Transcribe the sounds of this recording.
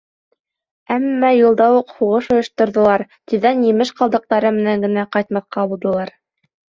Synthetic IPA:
æmːæjŭlˠd̪ɑwuqhuʁɤʃŏjŏʃt̪ŏɾðɤ̆lˠɑɾt̪ĭðænjɘ̆mɘʃqɑlˠd̪ɤ̆q̚t̪ɑɾɤmɘ̆næŋɡɘ̆næqɑjt̪mɑθqɑbulˠd̪ɤ̆lˠɑɾ

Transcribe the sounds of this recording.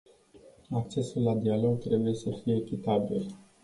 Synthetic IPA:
akt͡ʃe̞sulːad̪ialo̞ɡ̚t̪ɾe̞buje̞səfije̞ːkʲit̪abḭl

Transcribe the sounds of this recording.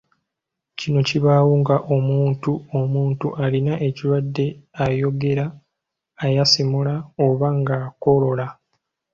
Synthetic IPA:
cino̞ciβaːwuŋɡaʔo̞muːntuomuːntuʔalinaʔe̞ciɾwadːe̞ajo̞ɡe̞ɾaː | jasimulaoβaŋɡako̞lo̞la

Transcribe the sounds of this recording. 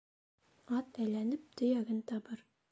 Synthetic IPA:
ɒt̪æjlænɘp̚t̪ɵ̆jæɡɘnt̪ɑbɤɾ

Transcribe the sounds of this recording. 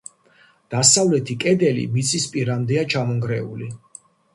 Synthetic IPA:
d̪̥asavlɛt̪ʰikʼɛd̪ɛlḭmit̪sʰʼispʼiɾamd̪ɛat͡ʃʰamɔŋɡɾɛuli

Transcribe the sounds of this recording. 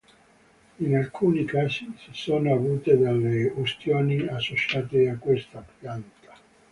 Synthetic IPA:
inalkʰuːnikaːzisisoːnoavuːt̪ed̪alːeost̪joːniasːot͡ʃaːt̪eakːwest̪apjant̪ḁ

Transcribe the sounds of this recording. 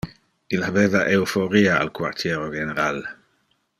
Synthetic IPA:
ilaveːvaʔeufoɾiaa̰lkwa̰rt̪ʰjeːɾoɡeneɾal

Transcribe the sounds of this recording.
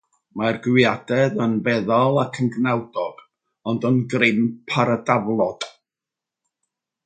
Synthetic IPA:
marɡwjadɛðənvɛðɔlˠakʰənɡnɛwdɔɡ̥ | ɔndənɡrɪnpʰaɾədavlˠɔd̥

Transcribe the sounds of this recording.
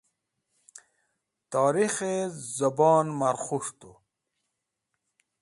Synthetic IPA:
t̪ɑːɾixezɐbɑːnmaɾχuʂt̪u

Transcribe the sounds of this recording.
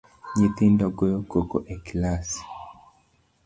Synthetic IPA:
ɲit̪indɔɡojokokoʔeklas

